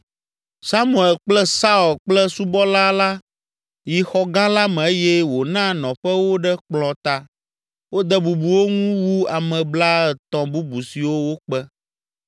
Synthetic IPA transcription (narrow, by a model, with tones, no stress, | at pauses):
sa˦mũ˨ɛ˨lk͡plɛ˦sa˦ɔ˨lk͡plɛ˦su˦bɔ˦la˦la˦ | ji˨xɔ˦ɡã˦la˦mɛ̃˨e˦jɛ˦wo˨nã˦nɔ̃˨ɸɛ˦wo˦ɖɛ˦k͡plɔ̃˨t̪a˦ | wo˦d̪ɛ˦bu˨bu˨wo˦ŋũ˦wu˦a˨mɛ̃˨bla˦ɛ˨t̪ɔ̃˨bu˦bu˨si˨wo˦wo˦k͡pɛ˦